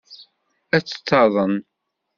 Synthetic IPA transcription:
æt͡sːə̥t͡sːɑðˤən

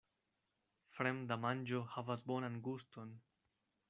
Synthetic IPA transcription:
fɾemdamand͡ʒohavasbonanɡuston

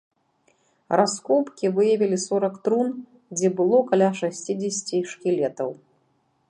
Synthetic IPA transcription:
ɾaskɔpkʲivɨjɐvʲilʲisɔɾɐkt̪ɾun | d͡zʲɛbɨlˠɔkalʲaʂasʲt͡sʲid͡zʲesʲt͡sʲiʂkʲilʲɛt̪ɐw

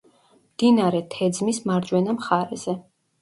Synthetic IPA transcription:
md̪inaɾɛt̪ʰɛd̪zmismaɾdd͡ʒwɛnamχaɾɛ̰z̥ɛ

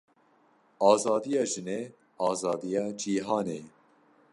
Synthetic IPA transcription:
ʔɑːzɑːd̪ijɑːʒɨneː | ɑːzɑːd̪ijɑːd͡ʒiːɦɑːneː

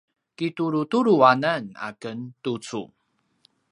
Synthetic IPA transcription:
kituɾutuɾuanana̰kəntut͡sṵ

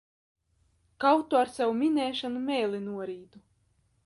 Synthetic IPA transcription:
kawt̪uaɾsawumʲinɛːʃanumɛːlʲinuɔɾiːd̪u

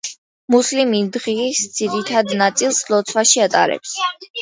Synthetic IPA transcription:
muslimind̪ʁisd̪z̥iɾit̪ʰad̪nat̪sʼilˠslɔt̪sʰwaʃiat̪ʼa̰ɾɛ̰ps

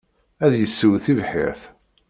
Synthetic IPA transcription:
æðjəsːəwθivħɪ̰ɾθ

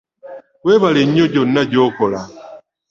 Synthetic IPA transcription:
weβaleɲoɟonaɟokɔla

